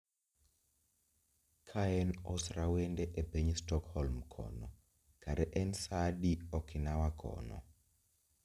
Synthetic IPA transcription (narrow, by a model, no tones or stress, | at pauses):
kʰaɛnɔsrawɛndɛʔɛbeɲistɔkhɔlmkʰɔ̰nɔ | ɡ̥ʱaɾɛʔɛnsaɗiɔkʰinawakʰɔ̰nɔ̰